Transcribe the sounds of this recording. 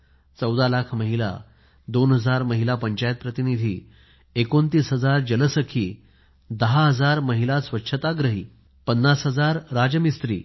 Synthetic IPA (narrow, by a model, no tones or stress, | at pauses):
t͡səwd̪alakʰməɦila̰ | d̪onɦəd͡zaɾməɦilapəɲt͡ɕajət̪̚pɾət̪inid̪ʱiː | ekont̪iːsɦəd͡zaɾd͡ʑələsəkʰiː | d̪əɦaɦəd͡zaɾməɦilasʋətːɕʰət̪aɡɾəɦiː | pənːasɦəd͡zaɾːad͡ʑəmist̪ɾiː